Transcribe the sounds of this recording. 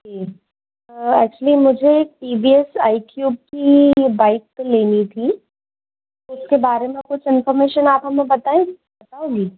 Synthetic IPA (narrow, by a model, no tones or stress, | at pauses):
keː | ɛ̰ːk̚t͡ʃʊəlimʊd͡ʒʱeːk̚ʈiːbiɛsaːɪkjuːb̚kibaːɪk̚peleːnit̪ʰi | oʊskebaːɾemẽkʊt͡ʃʰɪnfɔɾmeːʃənaːpɦɐmẽbɐt̪aẽ | bɐt̪aːoːɡi